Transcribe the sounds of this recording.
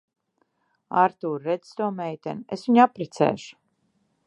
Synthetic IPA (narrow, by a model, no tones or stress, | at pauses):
aɾt̪uːɾːed̪z̥st̪uɔmɛjt̪ʲɛnesviɲapɾɛt̪sɛ̰ːʃu̥